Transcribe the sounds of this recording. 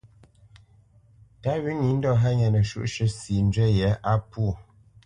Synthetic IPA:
ta˦wi˨˦ŋi˨˦n̩˦dɔ˦˨ɦa˦ɲɛ˨nə˨ʃʉ̰˦ʔʃə˦si˨n˦d͡ʒɥɛ˦jɛ˨˦ʔa˦pu˦˨

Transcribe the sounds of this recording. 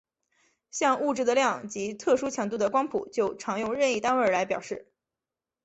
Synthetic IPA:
ɕjɑ˥˧ŋu˥˧ʈ͡ʂɻ̩˥˩d̪ə˩˧ljɑ˥˩ŋt͡ɕi˧˥t̪ʰɤ˥˩ʂu˥t͡ɕʰjɑ˨˩ŋt̪̬u˥˩d̪ə˩kwɑ˥ŋpʰṵ˨˩˦t͡ɕjo˥˩ʊʈ͡ʂʰɑ˧˥ŋjʊ˥˧ŋɻə˥˧ni˥˩t̪a˥nwə˞˥˩la˧˥ɪpjɑ˨˩ʊʂɻ̩˥˩

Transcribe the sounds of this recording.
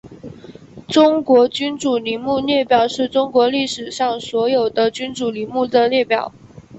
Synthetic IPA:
ʈ͡ʂʊ˥ŋkwɔ˧˥t͡ɕy˥nʈ͡ʂu˨˩li˧˥mu˥˧ljɛ˥˩pjɑ˨˩ʊʂɻ̩˥˩ʈ͡ʂʊ˥ŋkwɔ˧˥li˥˩ʂɻ̩˨˩ɕjɑ˥˩ŋswɔ˧˥jo˨˩ʊd̪ə˦t͡ɕy˥nʈ͡ʂu˨˩li˧˥mu˥˩d̪ə˨ljɛ˥˩pjɑ˨˩˦ʊ

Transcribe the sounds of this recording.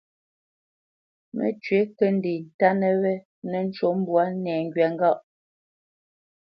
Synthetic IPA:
mə̰˨˦t͡ʃɥe˨˦kə˦n̩˦di˨n̩˨ta˦nə˦wɛ˦ | nɛ˦n̩˦t͡ʃo˦m̩˦bwa˦nɛː˨ŋ̩˦ɡɥɛ˨ŋ˦ɡɔ˦ʔ

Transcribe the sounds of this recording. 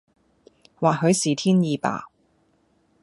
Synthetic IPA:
waː˨ɦɵ˨˧ɥsiː˨t̪ʰiː˥njiː˨˧pa̰ː˨

